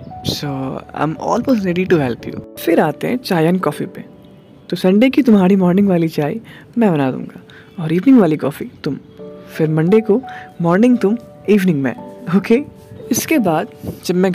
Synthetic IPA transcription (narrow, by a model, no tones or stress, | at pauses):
soːã̰ɪ̃mɔ̰ːlmoːsʈɾeːɖiʈuɦɛlpjṵːfɪɾaːt̪eɦɛ̰̃t͡ʃaːjənkɔːfipḛ | t̪osɐ̃ɳɖeːkit̪ʊmɦaːɾimɔːɾnɪ̃ŋɡʋaːlit͡ʃaːḭ | mɛ̃bɐnaːd̪ṵ̃ːŋɡaː | ɔːɾiːʋnɪ̃ŋɡʋaːlikɔːfit̪ʊm | fɪɾmɐ̃ɳɖekomɔːɾnɪ̃ŋɡt̪ʊm | iːʋnɪ̃ŋɡmḛ̃oːkeː | ɪskebaːd̪d͡ʒɐbmɛ̃